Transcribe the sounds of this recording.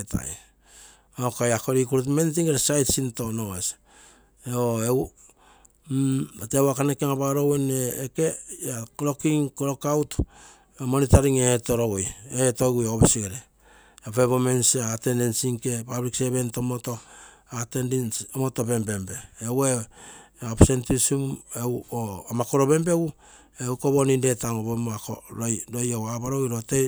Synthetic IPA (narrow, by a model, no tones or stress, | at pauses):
etʰa̰j | okajakoɾikuɾutmentiŋeɾesajtsinto̞noŋes | oew | atewakanekiaŋapaɾoweneːkeakoɾokiŋkoɾokawt | omonitaɾiŋeto̞ɾoɡojetoɡujooβesiɡeɾe | aβeβomensate̞ndensiŋkepabɾikseβe̞ntomoto | atendnomotobe̞mbe̞mbe̞ːwe | apsentusumewoamakoɾo̞be̞mbe̞ɡu | eukoβoninde̞taŋoβemoakoɾojɾojowabaɾoɡiɾote